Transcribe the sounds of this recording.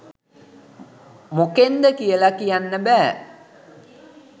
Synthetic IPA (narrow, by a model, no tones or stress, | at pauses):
mokend̪əkijəlakijanːəbæː